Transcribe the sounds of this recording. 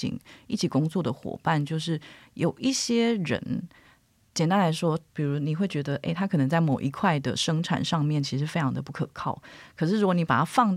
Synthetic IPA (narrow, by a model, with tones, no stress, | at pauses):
ḭ˧˥ŋi˥˩t͡ɕʰi˨˩kʊ˥ŋt͡swɔ˥˩d̪ə˩xwɔ̰˨˩pa˥˨nt͡ɕjo˥˧ʊʂ̬ɻ̩˥˩jo˨˩ʊʔi˥˩ɕjɛ˥ɻə̰˧˦˥n | t͡ɕjɛ˨˩nt̪a˥nla˧˥ɪʂwɔ˥pi˨˩ɻu˧˥ni˨˩xwe˥˩ɪt͡ɕɥɛ˧˥d̪ə˧ʔe˥ɪt̪ʰa˥kʰɤ˨˩nə˧˥ŋt͡sa˥˩ɪmo˨˩ʊʔi˧˥kʰwa˥˩ɪd̪ə̰˩ʂɤ˥ŋʈ͡ʂʰa̰˨˩nʂɑ˥˧ŋmjɛ˥˩nt͡ɕʰi˧˥ʂɻ̩˧˥˧fe˥ɪʈ͡ʂʰɑ˧˥ŋd̪ə˧pu˥˩kʰɤ̰˨˩kʰɑ˥˩ʊkʰɤ˨˩ʂ̬ɻ̩˥˩ɻu˥wni˧˥pa˨˩t̪ʰa˥fɑ˥˧ŋt